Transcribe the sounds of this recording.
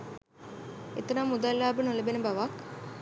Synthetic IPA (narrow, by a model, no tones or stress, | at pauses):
ḛt̪ɐnamːud̪alːaːbənolɐbenəbaʋak